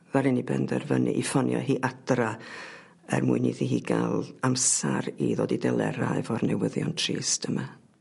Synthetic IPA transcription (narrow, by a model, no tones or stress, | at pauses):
vaɾɪnibɛndɛrvənʔɨʔifɔnjɔ̰ɦiːʔadra | ɛrmuːɨniðiɦiːɡalˠamsaɾiðoːdidɛlˠɛɾaɨvɔrnɛwəðjɔntʰriːstəma